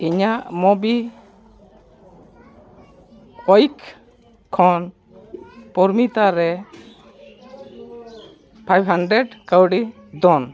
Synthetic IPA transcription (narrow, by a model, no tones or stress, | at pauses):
iɲaʔmɔbi | ɔjkʰ | kʰːɔn | pɔɾmit̪aɾɛ | pʰajbɦaɳɖɾɛɖkawɖi | d̪ɔn